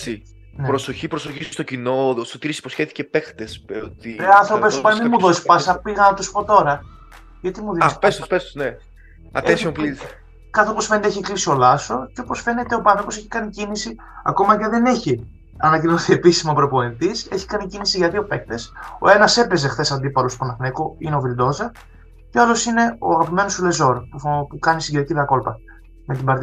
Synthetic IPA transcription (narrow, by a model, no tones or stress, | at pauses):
si | nepɾosoçipɾosoçisst̪ocinost̪ot̪iɾisi̥po̞sçeθicepekt̪espot̪ieɐnθɾo̞pespɐnmimuðosispɐsɐpiɣɐnɐt̪usi̥po̞t̪o̞ɾɐ | ʝɐt̪imuðispest̪ospest̪one | ɐ̰esiompli | kɐθeopo̞sfe̞net̪eeçiklisio̞lɐso̞ceopo̞sfene̞t̪eopɐnθɾopo̞seçi̥kɐnicinisi | ɐ̰ko̞mɐʝɐðe̞ne̞çi | ɐnɐcinoθie̞pisimɐpɾo̞po̞int̪ise̞çi̥kɐnicinisiʝɐt̪io̞pe̞k̚t̪e̞so̞̰e̞nɐse̞pe̞ze̞xθe̞sɐnd̪ipɐlost̪op̪onɐfnekoineovild̪o̞zɐ | ceɐlo̞sine̞o̰ɐɣɐpime̞nosule̞zo̞ɾpufpukɐnisiɟeɾɐciðɐko̞lpɐ | me̞t̪imbɐɾt̪i